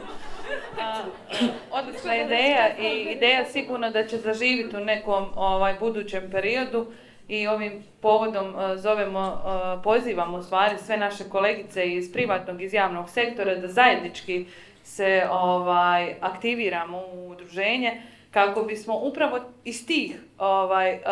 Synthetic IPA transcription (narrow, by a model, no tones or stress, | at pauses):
od̪nosnoid̪eːjaʔiːd̪e̞ːjasiɡuːɾnad̪at͡ɕe̞zaʒiːʋit̪une̞ko̞ːmoʋaːjbud̪uːt͡ɕe̞mpe̞ɾio̞d̪u | io̞ʋiːm | po̞ːʋo̞d̪o̞mzo̞ʋemo̞po̞ziːʋaːmoust̪ʋaːɾisʋe̞naʃe̞ko̞le̞ɡit̪se̞ːzpɾiʋaːt̪no̞ːɡizjaːʋno̞ːɡse̞kt̪o̞ɾad̪azaje̞d̪nit͡ʃki | se̞oʋaːjakt̪iʋiːɾaːmouːd̪ɾuʒe̞ːɲe̞ | kako̞bismo̞ʔupɾaʋo̞ist̪iːxoʋaːj